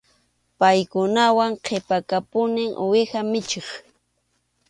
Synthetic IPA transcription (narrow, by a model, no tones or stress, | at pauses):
pajkʊnawaŋqʰepakapʊnɪŋʔwɪxamɪt͡ʃeχ